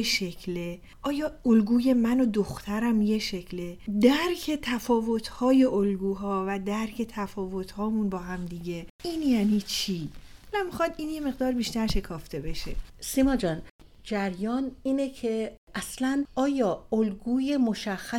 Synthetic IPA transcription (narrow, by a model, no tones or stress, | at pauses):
eʃe̞cʰle | ʔɒːjɒːolɡuːje̞mæno̞d̪oxt̪ʰæɾæmje̞ʃe̞cʰle̞d̪æɾkʰe̞t̪ʰæfɒːvo̞t̪ʰhɒːje̞ʔolɡuːɦɒːvæd̪æɾcʰe̞t̪ʰæfɒːvo̞t̪ʰhɒːmunbɒːɦæmd̪iɟe̞iːnjæːniːt͡ʃʰimænmixɒːd̪inje̞me̞ɣ̚d̪ɒːɾbiːʃt̪æɾʃe̞kʰɒːft̪ʰe̞be̞ʃḛsimɒːd͡ʒɒːn | d͡ʒæɾjɒːniːnecʰe̞ʔæslænɒːjɒːolɡuːje̞mo̞ʃæxːæ